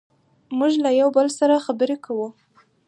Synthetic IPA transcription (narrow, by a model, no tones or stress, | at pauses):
muʒlajawbəlsaɾaxabəɾekawu